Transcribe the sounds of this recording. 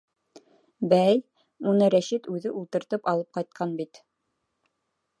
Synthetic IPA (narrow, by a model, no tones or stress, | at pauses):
bæj | unɤɾæʃit̪ʉðɘʔulˠt̪ɤ̆ɾt̪ɤpɑlˠɤp̚qɑjt̪̚qʰɑnbit̪